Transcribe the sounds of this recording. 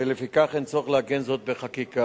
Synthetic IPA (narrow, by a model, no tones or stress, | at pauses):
elefikaχent͡so̞χleaɡenzo̞t̪̚beχakika